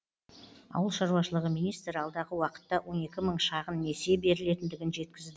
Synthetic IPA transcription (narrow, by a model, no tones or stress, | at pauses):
ɑ̰wəlˠʃɑɾuɑʃəlˠəʁəmijnijst̪ɾɑlˠd̪ɑʁəwɑqə̥t̪ːɑwʔo̞ne̞kʲɪməɴʃɑʁənːe̞se̞be̞ɾɪle̞t̪ɪnd̪ɪɡʲɪnʒe̞t̪̚kʲɪzd̪ɪ